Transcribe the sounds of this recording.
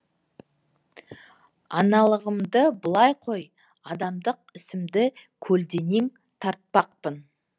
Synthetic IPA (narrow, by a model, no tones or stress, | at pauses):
ɑ̰nɑlˠəʁəmd̪əbəlˠɑjqʰo̞j | ɑd̪ɑmd̪əq̚ɪsɪmd̪ɪkʲʰɵld̪e̞neŋ | t̪ʰɑɾt̪̚pɑqpən